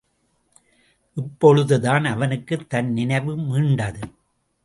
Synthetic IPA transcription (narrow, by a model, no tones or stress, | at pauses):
ʔɪpːɔɻɯðɯðaːnɐʋɐnɯkːɯt̪ːɐnnɪnɐɪʋɯmiːɳɖɐðɯ